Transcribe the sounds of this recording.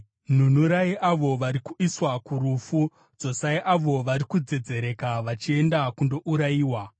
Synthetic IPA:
n̤un̤uɾaiʔaʋo̞ʋaɾikuiswakuɾufu | d͡zo̞saiʔaʋo̞ʋaɾikud͡ze̞d͡ze̞ɾe̞kaʋat͡ʃie̞ndakundo̞ʔuɾaiːwa

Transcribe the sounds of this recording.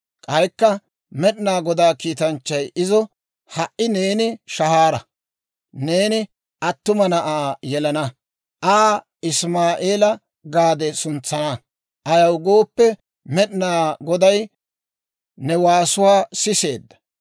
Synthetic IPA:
kʼɐjkːɐ | mɛɗɪnaːɡɔd̪aːkiːt̪ɐnt͡ʃːɐjɪzɔ | hɐʔːɪne̞ːnɪʃɐhaːɾɐ | ne̞ːnɪ | ʔɐt̪ːʊmɐnɐʔaːjɛlɐnɐ | ʔaː | ɪsmaːʔeːlɐ | ɡaːd̪ɛsʊnt͡sːɐnɐ | ʔɐjɐwɡo̞ːpːɛ | mɛɗɪnaːɡɔd̪ɐj | nɛwaːsʊwaːsɪse̞ːd̪ːɐ̥

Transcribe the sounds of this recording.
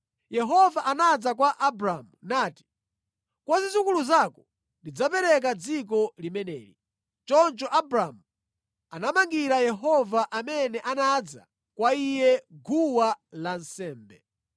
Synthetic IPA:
jɛɦɔvaʔanad͡zakwaʔabɾamunaːti̥ | kwazizukuluzakɔ | ndid͡zapɛɾɛk̬ad͡zik̬ɔlimɛnɛ̰ːɾi | t͡ʃɔnt͡ʃɔʔabɾamu | anamaŋɡiɾajɛɦɔvaʔamɛnɛʔanad͡za̰ | kwaijɛɡʱuwalansɛːmbɛ

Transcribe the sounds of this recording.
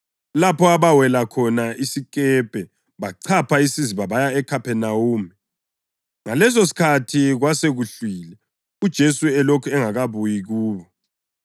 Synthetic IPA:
lapʰɔaβawɛlakʰɔnaʔisikʼɛpʼɛ | βaǀʰapʰaisiziβaβajaɛkʰapʰɛnauːmi | ŋalɛs̬os̬i̥kʰatʰiɣwaseɣuɬwiːlɛ | ud̥ʒ̥ʱesuɛlokʰuɛŋaɣaβujiɣuːβɔ

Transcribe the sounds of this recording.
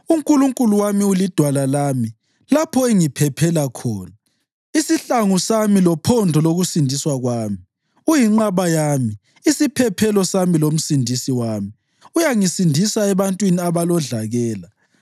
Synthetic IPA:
uŋkʼuluŋkʼuluwamiulid̥ʱwalalaːmi | lapʰɔeŋipʰɛpʰɛlakʰɔːna | isiɬaŋusamilɔpʰɔndʱɔloɣusindʱiswaɣwaːmi | ujiŋ͡ǃaβajaːmi | isipʰɛpʰɛlɔsamilom̩sindʱisiwaːmi | ujaŋisindʱisaɛβantʼwiniaβalɔɮaɣɛːla

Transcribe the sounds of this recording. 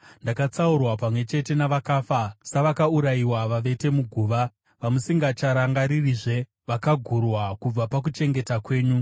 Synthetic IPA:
ndakat͡saurwapamwe̞t͡ʃe̞te̞naʋakaːfasaʋakauɾaiwaʋaʋe̞te̞muɡʱuːʋa | ʋamusiŋɡat͡ʃaɾaŋɡaɾiriʐe̞ | ʋakaɡʱurwakub͡vapak̬ut͡ʃe̞ŋɡe̞takwe̞ːɲu

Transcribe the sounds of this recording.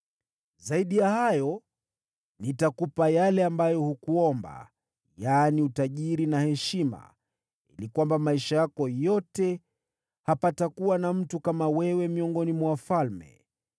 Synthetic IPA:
zaiɗijahajɔ | nitakupajalɛambajɔhukuɔmba̰ | janiutaʄiɾinahɛʃima̰ | ḭlikwambamaiʃajakɔjɔtɛ | hapatakuwanam̩tukamawɛwɛmiɔŋɡɔnimwɔwafalmɛ̰

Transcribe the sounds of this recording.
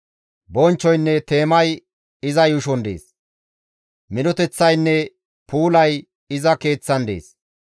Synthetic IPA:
bɔnt͡ʃːɔjnːɛt̪e̞ːmɐj | ɪzɐjʊʃɔnd̪e̞̰ːs | mɪnɔt̪ɛt͡sːɐjnːɛ | pʰuːlɐj | ɪzɐke̞ːt͡sːɐnd̪e̞̰ːs

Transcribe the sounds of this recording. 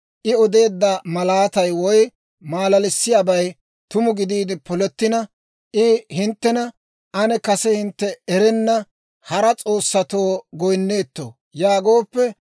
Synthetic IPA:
ʔɪɔd̪e̞ːd̪ːɐmɐlaːt̪ɐjwɔj | maːlɐlɪsːɪjaːbɐj | t̪ʊmʊɡɪd̪iːd̪ɪpɔlɛt̪ːɪnɐ | ʔɪhɪnt̪ːɛnɐ | ʔɐnɛkɐsɛhɪnt̪ːɛɛɾɛnːɐ | hɐɾɐt͡sʼo̞ːsːɐt̪o̞ːɡɔjnːe̞ːt̪ːo̰ | jaːɡo̞ːpːɛ

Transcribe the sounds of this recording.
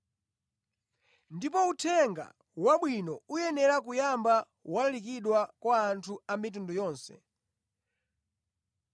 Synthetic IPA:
ndipɔutʰɛŋɡa̰ | waɓwinɔujɛnɛɾak̬ujamba | wallik̬iɗwakwaːntʰuamit̬undɔjɔːnsɛ̰

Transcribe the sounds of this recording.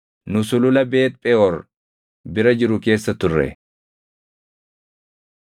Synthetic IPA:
nʊsʊlʊlɐbe̞ːt̪̚pʼɛɔɾ | bɪɾɐd͡ʒɪɾʊke̞ːsːɐt̪ʊrːɛ̰

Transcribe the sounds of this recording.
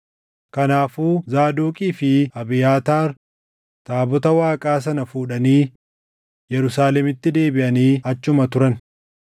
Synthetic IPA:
kɐnaːfuːzaːd̪uːkʼiːfɪɐbɪjaːt̪aːɾ | t̪ʼaːbɔt̪ɐwaːkʼaːs̬ɐnɐfuːᶑɐniː | jɛɾʊsaːlɛmɪt̪ːɪd̪e̞ːbɪʔɐniːɐt͡ʃːʊmɐt̪ʊɾɐn

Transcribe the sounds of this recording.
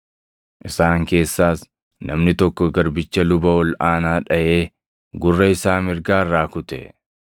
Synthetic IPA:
ʔɪsaːŋke̞ːsːaːs | nɐmnɪt̪ɔkːɔɡɐɾbɪt͡ʃːɐlʊbɐwɔlʔaːnaːᶑɐje̞ː | ɡʊrːɐɪsaːmɪɾɡaːrːaːkʊt̪ɛ̰

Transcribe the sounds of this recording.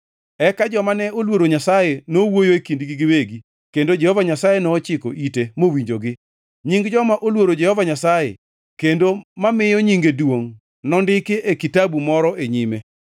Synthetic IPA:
ɛkad͡ʒɔmanɛolwoɾoɲasajenowojoekindɡiɡɪweɡi | kendod͡ʒɛhɔvaɲasajenɔːt͡ʃɪko̰ʔitemowiɲd͡ʒoɡɪ | ɲiŋɡd͡ʒɔmaʔolwoɾod͡ʒɛhɔvaɲasajḛ | kendomamɪjɔɲiŋɡedwoŋ | nɔndɪkeʔekitabumɔɾɔʔeɲime

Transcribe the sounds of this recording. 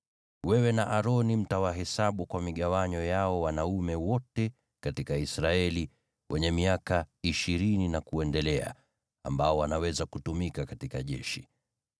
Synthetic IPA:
wɛwɛnaʔaɾɔnim̩tawaɦɛsaɓukwamiɠawaɲɔjaɔwanaumɛwɔtɛ | katikaisɾaɛli | wʔɛɲɛmiakaiʃiɾininakuɛndɛlɛa̰ | a̰mbaɔwanawɛzakutumikakatikaʄɛ̰ʃi

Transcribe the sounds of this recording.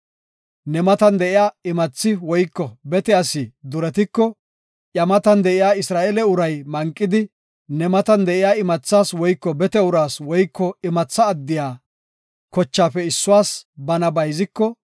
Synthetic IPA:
nɛmɐt̪ɐnd̪ɛʔɪjaːɪmɐt͡sːɪwɔjkːɔbɛt̪ɛjasɪd̪ʊɾɛt̪ɪkːɔ | ʔɐmɐt̪ɐnd̪ɛʔɪjaːɪsɾaːʔɛlɛʊɾɐjmɐŋkʼːɪd̪ɪ | nɛmɐt̪ɐnd̪ɛʔɪjaːɪmɐt͡sːaːswɔjkːɔbɛt̪ɛʊɾaːswɔjkːɔɪmɐt͡sːɐːd̪ːɪjaː | kɔt͡ʃːaːfɛɪsːʊwaːsbɐnɐbɐjzɪkːɔ

